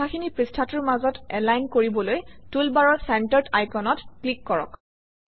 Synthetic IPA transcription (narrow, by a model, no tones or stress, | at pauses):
axʰinipɹistʰatuɹmazɔtɛlajnkoɹibɔlojtulbaɹɔɹsantɔɹtajkɔnɔtklikːɔɹɔ̰k